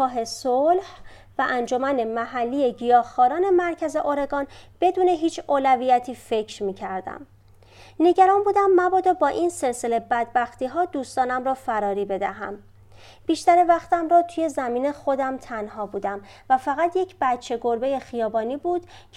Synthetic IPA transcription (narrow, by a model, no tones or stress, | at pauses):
ɒːɦe̞solh | væʔænd͡ʒo̞mæne̞mæɦælːije̞ɟijɒːhxɒːɾɒːne̞mæɾcʰæze̞ʔoɾe̞ɡɒːnb̥e̞d̪uːne̞ɦiːt͡ʃʰoːlæviːjæt̪ʰiːfe̞cʰɾmiːcʰæɾd̪æ̰m | ne̞ɟæɾɒːnbuːd̪æmːæbɒːd̪ɒbɒːʔinse̞lse̞le̞bæd̪̚bæxt̪iːɦɒːd̪uːst̪ɒːnæmɾɒːfæɾɒːɾiːbe̞d̪æɦæ̰m | b̥iːʃt̪æɾevæxt̪æmɾɒːt̪ʰuje̞zæmiːne̞xo̞d̪æmt̪ʰænhɒːbuːd̪æm | væfæɣæt̪ʰje̞cʰb̥æt̪t͡ʃʰːe̞ɡoɾbe̞je̞xijɒːbɒːniːbuːd̪̥ | cʰ